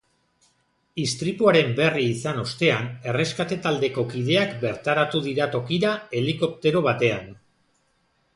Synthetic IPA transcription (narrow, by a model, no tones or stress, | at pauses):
ist̪ɾipuaɾe̞mbe̞riːsano̞st̪e̞ane̞re̞skat̪e̞t̪ald̪e̞ko̞kiðe̞akbe̞ɾt̪aɾat̪uð̞iɾat̪o̞kiɾae̞liko̞p̚t̪e̞ɾo̞β̞at̪e̞an